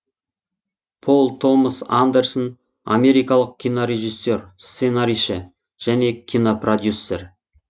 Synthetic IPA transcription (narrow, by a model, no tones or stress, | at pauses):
pʰo̞lˠt̪ʰo̞məsand̪ersən | a̰me̞ɾijkɑlˠəq̚kʲʰijnoɾe̞ʒisːe̞rst̪se̞naɾiʃə | ʒ̥æne̞kʲʰijnoprod̪ʲjusːer